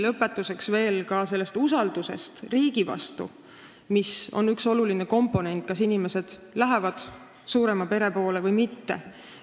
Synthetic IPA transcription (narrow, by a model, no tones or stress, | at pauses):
lɤpːˑe̞t̪ːˑuse̞ksve̞ːlkɑse̞lːe̞st̪usɑld̪̥use̞̰st̪riːɡivɑ̰st̪ṵ | miso̞̰nykso̞lulineko̞mpːˑo̞ne̞nt̪̚ˑkɑsinime̞se̞d̪̥læɦevɑd̪̥ | suːɾe̞mɑpe̞ɾe̞po̞ːle̞vɤjmit̪ːe̞